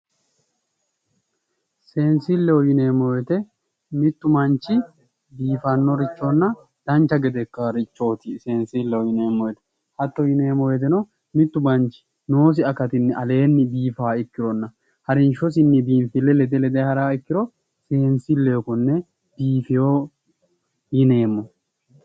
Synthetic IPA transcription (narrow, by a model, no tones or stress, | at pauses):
seːnsɪlːɛwɔjɪneːmɔjɛt̪ɛ | mɪt̪ːʊmɐnt͡ʃːɪ | biːfɐnːɔɾɪt͡ʃːonːɐ | d̪̥ɐnt͡ʃːɐɡɛd̪ɛkːɐɾɪt͡ʃːo̞ːt̪ɪse̞ːnsilːɛwɔjɪneːmɔjɛt̪ɛ̥ | hɐt̪ːɔjɪneːmɔjɛt̪̬ɛnɔ | mɪt̪ːʊmɐnt͡ʃɪ̥ | no̞ːs̬ɪɐkːɐt̪ɪnːɪɐle̞ːnːɪbiːfaːɪkːɪɾɔnːɐ | hɐɾɪnʃɔs̬ɪnːɪbiːnfɪlːɛlɛd̪ɛlɛd̪ehɐɾaːɪkːɪɾɔ | se̞ːnsɪlːɛɔkʊnːɛ | b̥iːfɪjo | jɪne̞ːmːɔ